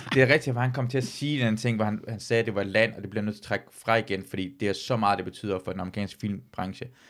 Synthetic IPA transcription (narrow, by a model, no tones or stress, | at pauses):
d̥e̝æɐʁɛɡ̥̚d̥ifɒhænkʰɒ̽m̰t͡sʰe̝æɐsiːenænət͡sʰe̝ŋ̰ʋɒhænhænsɛːd̥e̝ʋɑ̈læn̰ɒ̽d̥e̝b̥lienøð̰ˠt͡sʰːt͡sʰʁaɡ̥fʁɑ̈iɡ̥enfɒd̥ḭːd̥e̝æɐsɒ̽mɑ̈ːð̩ˠde̝b̥e̝t͡sʰy̰ð̰ˠɐfɒ̽d̥enɑmʁikɛ̰ːnsɡ̥fil̰mb̥ʁɑ̈ŋɕə